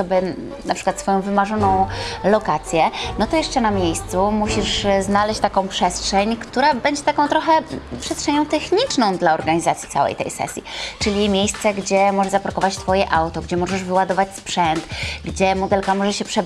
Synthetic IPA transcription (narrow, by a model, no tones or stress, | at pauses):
ɔbɛ | napʂɘkwat̪sfɔjɔ̃w̃vɘmaʐɔnɔ̃w̃lɔkat̪sʲjɛnɔt̪ɔjɛʂt͡ʂɛnamʲjejst̪sumuɕiʂznalɛɕt͡ɕt̪akɔ̃w̃pʂɛstʂɛɲkt̪uɾabɛɲd͡ʑɛt̪akɔ̃t̪ɾɔxɛpʂɛstʂɛɲɔ̃w̃t̪ɛxɲit͡ʂnɔ̃w̃d̪laɔɾɡaɲizat̪sʲji̥t̪a̰wɛ̰jt̪ɛ̰jsɛ̰sʲjḭt͡ʂɘlʲimʲjejst̪sɛɡd͡ʑɛmɔʐɛzapɾɔkɔvat͡ɕt̪fɔjɛʔawt̪ɔɡd͡ʑɛmɔʐɛʐvɘwad̪ɔvat͡ɕspʂɛnt̪ɡd͡ʑɛmɔd̪ɛlkamɔʐɛɕɛpʂɛ